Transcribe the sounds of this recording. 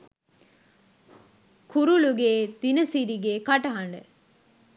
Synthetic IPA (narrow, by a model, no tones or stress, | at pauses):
kʰuɾuluɡeːd̪̥inɐsiɾiɡeːkɐʈɐɦɐɳɖə̰